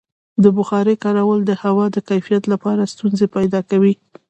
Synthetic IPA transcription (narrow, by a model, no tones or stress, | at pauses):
d̪əbʊxɑɾekɑɾawəld̪əhawɑd̪əkajfijat̪lapɑɾast̪unzepajd̪ɑkawi